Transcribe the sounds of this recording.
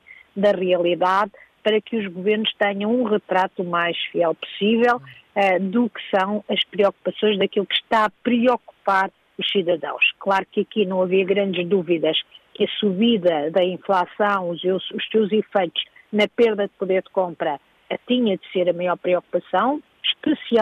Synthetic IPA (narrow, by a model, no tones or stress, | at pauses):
d̪ɐʁiɐlˠiðaðpɐɾɐkɨuʒɣuveɾnuʃt̪ɛɲɐ̃w̃ũʁɨt̪ɾat̪umajʃfiɛlˠpu̥sivɛlˠɛd̪ukɨ̥sɐ̃w̃ɐʃpɾiɔku̥pɐsõj̃ʒðɐkilˠukʃt̪aɐpɾɨɔku̥paɾ | uʃsiðɐðɐ̰̃w̃ʃklˠaɾukɨɐkinɐ̃w̃ɐviɐɣɾɐ̃nd̪ʒd̪uviðɐʃkɐsuβiðɐðɐĩflˠasɐ̃w̃uewuʃsewzifɐjt̪u̥ʃ | nɐpeɾðɐd̪̚puðeɾd̪kõmpɾɐ | t̪iɲɐd̪seɾɐmɐjɔɾpɾiɔku̥pɐsɐ̃w̃ | ʃpɨsia